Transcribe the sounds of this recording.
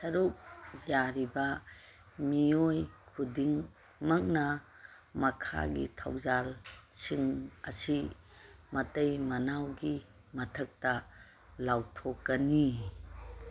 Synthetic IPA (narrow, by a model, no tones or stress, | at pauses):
sɐɾuk̚zaɾibɐ | miojkʰudiŋ | mɐŋnɐ | mɐkʰa̰ɡḭtʰa̰wzalsiŋɐsi | mɐtejmɐnawɡi | mɐtʰɐk̚tɐ | lawtʰokːɐni